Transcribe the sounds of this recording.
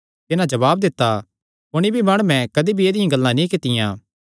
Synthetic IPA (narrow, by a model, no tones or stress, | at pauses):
t̪ɪnãd͡ʒɐʋaːb̚d̪ɪt̪ːa | pʊɽ̃ibʱimɐɽ̃umɛ̃kɐd̪ibʱieːd̪ɪjãɡɐlːãnĩkɪt̪ɪjãː